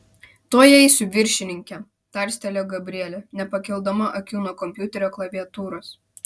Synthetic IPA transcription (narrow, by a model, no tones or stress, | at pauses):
t̪oːjɛɪsʲʊʋʲɪɾʲʃʲɪnʲɪŋʲkʲɛ | t̪ɑˑɾʲsʲt̪ʲɛlʲoːɡɐbʲɾʲiɛlʲonʲɛpɐkʲɛlˠd̪ɐmɐʔɐkʲuːnoːkɔmʲpʲjuːˑt̪ʲɛɾʲoːklˠɐʋʲiɛt̪uːɾoːs